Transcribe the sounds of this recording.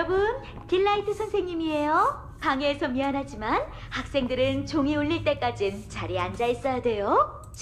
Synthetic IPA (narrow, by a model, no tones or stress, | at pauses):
ʌbun | kiɭːaitʰɯsʰʌnsʰeŋɲimie̞jo | paŋeːsʰʌmianɦad͡ʑiman | hak̚s͈e̞ŋdɯɾɯnt͡ɕoŋiuɭːiɭt͈e̞k͈ad͡ʑint͡ɕaɾiand͡ʑais͈ʌjade̞jo | t͡ɕ